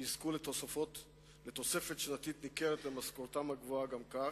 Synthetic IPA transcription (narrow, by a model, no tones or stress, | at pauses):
iskulet̪osafot̪ | let̪o̞se̞fe̞t̪ʃenat̪it̪nikeʁet̪lemaskoʁt̪amhaɡvoaɡamka